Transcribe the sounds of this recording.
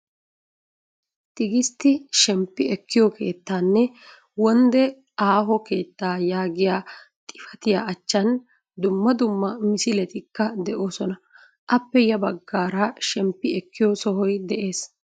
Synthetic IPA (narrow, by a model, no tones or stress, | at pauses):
t̪ɪɡɪst̪ːɪʃɛmpːɪɛkːɪjɔkʰe̞̰ːt̪ːaːnːɛ | wɔnd̪ɛ | aːɦɔke̞ːt̪ːaːjaːɡɪjaː | t̪ʼɪ̥fɐt̪ɪjaːʔɐt͡ʃːɐn | d̪ʊmːɐd̪ʊmːɐmɪsɪlɛt̪ɪkːɐd̪ɛʔo̞ːsɔnɐ | ʔɐpːɛjɐbɐɡːaːɾɐʃɛmpːɪɛkːɪjɔsɔɦɔjd̪ɛʔe̞ːs